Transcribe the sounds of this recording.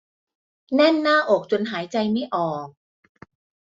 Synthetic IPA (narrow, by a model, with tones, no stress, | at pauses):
nɛ˥˩nːaː˥˩ʔo˨˩k̚t͡ɕo˧nɦaː˩˦jt͡ɕa˧jma˥˩jʔɔː˨˩k̚